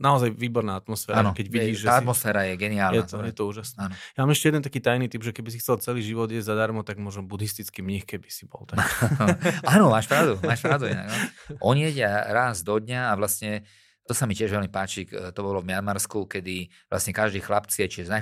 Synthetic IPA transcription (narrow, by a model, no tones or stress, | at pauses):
naɔzajʋiːbɔɾnaːat̪mɔsfɛːɾaanɔkɛɟʋiɟiːʒʒɛaat̪mɔsfɛːɾajɛɡɛniaːlnjɛaɔjɛt̪ɔuːʒasnɛanɔjamaːmɛʃcɛjɛd̪ɛnt̪akiːt̪ajnit̪ibʒɛkɛbis̬ixt͡sɛlt͡sɛliːʒiʋɔd̪ɪɛzad̪aɾmɔt̪aɡmʊɔʒɛmbud̪ist̪it͡skimɲixkɛbi̥sibɔ̰lt̪aa | aːnɔmaːʃpɾaʊd̪umaːʃpɾaʊd̪uḭna̰ɡanɔʔɔɲijɛɟɪaɾazd̪ɔd̪ɲaːʋlasɲɛ | t̪ɔsamicɪɛʒʋɛlmipaːt͡ʃit̪ɔbɔlɔvmɪanmaɾskukɛd̪i | ʋla̰sɲɛkaʒd̪iːxlapt͡siɛt͡ʃiʒɛzna